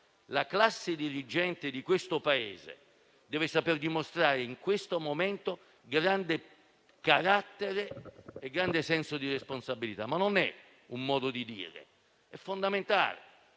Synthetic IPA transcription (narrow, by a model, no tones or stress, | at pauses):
laklasːɪd̪iɾid͡ʒɛnt̪ɪd̪ikwest̪opaḛːzḛ | d̪ɛːvɪsaperd̪imost̪ɾaːɾɪiŋkwest̪omomɛnt̪o | ɡɾand̪ɪ | kaɾat̪ːeɾeeɡːɾand̪esɛnsod̪iresponsabilit̪a̰mːanːonɛ̰ | umːɔːd̪od̪id̪ḭːɾḛ | ɛfːond̪ament̪a̰ːlḛ